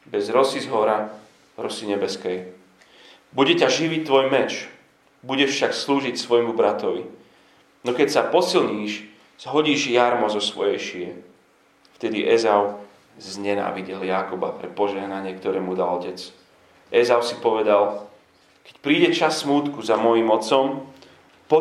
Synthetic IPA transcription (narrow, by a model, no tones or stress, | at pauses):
bɛzɾɔsizɦɔɾa | ɾɔsiɲɛbɛskɛj | buɟɛcaʒiʋit̪ːʋɔjmɛt͡ʃ | buɟɛʃfʃaksluːʒicsʋɔjmubɾat̪ɔʋḭ | nɔkɛcsapɔsilɲiːʃ | z̥ɦɔɟiːʒjaɾmɔzɔsʋɔ̰jɛjʃiɛ | ft̪ɛd̪iʔɛzaʊ | zɲɛna̰ːʋiɟɛljakɔba̰pɾɛpɔʒɛɦnaɲɪɛkt̪ɔɾɛːmud̪alɔcɛt͡s | ɛzaʊsipɔʋɛd̪al | kɛ̥cpɾiːɟɛt͡ʃasːmuːt̪kuzamɔjimɔt͡sɔm | pɔ